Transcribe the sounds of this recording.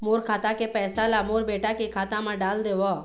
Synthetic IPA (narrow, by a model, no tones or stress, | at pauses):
moːɾkʰaːt̪akepɛːsalamoːɾbeːʈakikʰaːt̪ãmãɖaːld̪eʋo